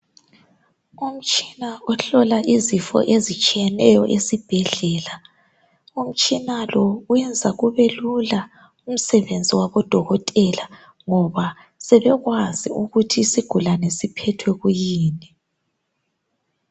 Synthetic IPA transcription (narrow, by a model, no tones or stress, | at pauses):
um̩t͡ʃʼi̥naɔɬɔlaʔizifɔ̰ʔezit͡ʃʼijɛnɛjɔʔesib̥ʱɛɮɛla | um̩t͡ʃʼinalɔuwɛnd͡zʱaɣuβelula | um̩sɛβend͡zʱiwaβɔd̥ʱɔɣɔtʼɛla | ŋɔβa | sɛβɛɣwaziuɣutʰisiɡ̥ʱulanesipʰɛtʰwɛɣujiːnɛ